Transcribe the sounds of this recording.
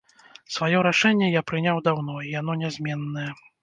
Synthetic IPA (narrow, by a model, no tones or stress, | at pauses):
svajɔɾaʂɛnʲːɛjapɾɨnʲawd̪awnɔijan̪ɔnʲɛzʲmʲɛnːɐjɛ